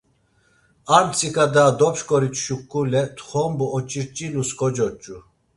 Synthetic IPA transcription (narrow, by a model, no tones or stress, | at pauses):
ant͡sʼikʰʼad̪ad̪ɔpʃkʼɔɾit͡ʃ̪ʰʼʃukʼːulɛt̪ʰχɔmbuɔt͡ʃʼiɾt͡ʃʼinuskʼɔd͡ʒɔt͡ʃʼːu